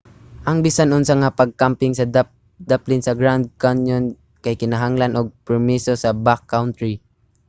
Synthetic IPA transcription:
ʔɐŋbisanʔʊnsaŋapaɡ̚kampɪŋsɐd̪a | d̪aplɪnsɐɡɹawnd̪̚kanjon | kajkɪnaɦaŋlanʔoɡ̚pɛɹmisosɐbakːawnt̪ɾi

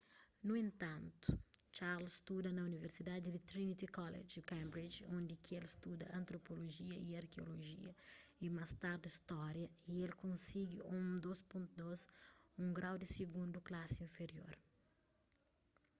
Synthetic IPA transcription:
nuẽnt̪ɐ̃nt̪u̥t͡ʃaɾlst̪ud̪ɐnɐuniveɾsid̪ad̪ɪd̪it̪ɾinit̪ikɔlḛd͡ʒikɛ̃mbɾid͡ʒõnd̪ɪkɪelst̪ud̪ɐ̰ɐ̃nt̪ɾopoloʒiɐiɐɾkeo̰loʒḭɐimɐst̪aɾd̪ɐist̪ɔɾjɐielkõnsiɡɪũmd̪ospõnt̪ud̪ozũŋɡɾawd̪ɪsiɡũnd̪uklasɪĩɱfeɾio̰ɾ

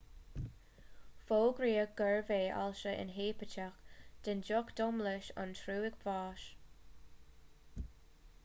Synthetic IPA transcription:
foːɡɾiːəɡ̥əɹveːʔa̰lʃəʔɪ̰nɦeːpət͡ʃaxd̪̥ɪnd͡ʒɔkd̥̪ɔmləʃɑ̰ntʰɾuːɪɡvɑːʃ

